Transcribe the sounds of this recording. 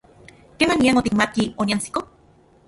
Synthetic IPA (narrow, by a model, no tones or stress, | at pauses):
kemaniaŋot̪ikmat̪̚kioniant͡si̥ko